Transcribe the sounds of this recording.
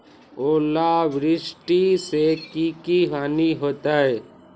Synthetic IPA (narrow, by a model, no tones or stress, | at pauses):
oːlaʋɾɪʃʈisekiːkiɦaːniɦoːt̪aːɦeː